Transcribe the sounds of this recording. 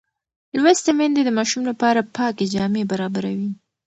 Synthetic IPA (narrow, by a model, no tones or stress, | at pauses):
lwast̪emɛnd̪ed̪əmɑʃumlapɑɾapʰɑked͡ʒɑmebaɾɑbaɾawi